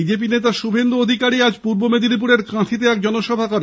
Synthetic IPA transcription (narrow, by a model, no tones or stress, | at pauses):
id͡ʑep̬inet̪aʃubʱend̪uod̪ʱikaɾiad͡ʑpuɾbomed̪inip̬uɽeɾkãt̪ʰit̪̬eɛk̚d͡ʑɔnoʃɔbʱakɔɾe